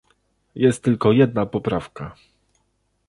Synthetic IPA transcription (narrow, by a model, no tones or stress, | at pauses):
jɛst̪̚ːɘlkɔjɛd̪napɔpɾafka